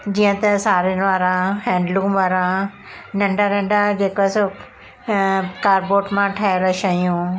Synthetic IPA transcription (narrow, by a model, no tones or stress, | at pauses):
d͡ʑiːə̃t̪ɐsaːɾɪnɪʋaːɾãɦɛ̃ːɳɖlũːʋaːɾã | nɐ̃ɳɖaɾẽːɳɖad͡ʑeːkoso | kaːɾboːʈmãʈʰaːeloʃɐijũː